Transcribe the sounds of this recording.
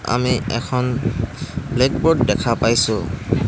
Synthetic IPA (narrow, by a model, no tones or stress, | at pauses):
a̰miɛ̰kʰɔn | blekbɔɹdːɛkʰapajsʊ